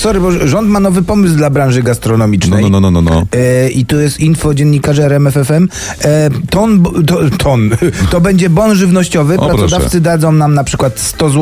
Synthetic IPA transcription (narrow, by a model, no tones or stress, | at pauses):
sɔɾɘbɔʐɔnt̪manɔvɘpɔmɘsd̪labɾanʐɘɡast̪ɾɔnɔmʲit͡ʂnɛɛjɔɔ̰ʔit̪ɔjɛst̪infɔd͡ʑɛnːikaʐɛɛɾɛmɛfɛfɛm | t̪ɔnbt̪ɔt̪ʰɔnt̪ɔbɛɲd͡ʑɛbɔnʐɘvnɔɕt͡ɕɔvɘpɾɾaɾɔd̪aft̪sɘd̪ad̪zɔ̃w̃namnapʂɘ̥kwat̪st̪ɔzw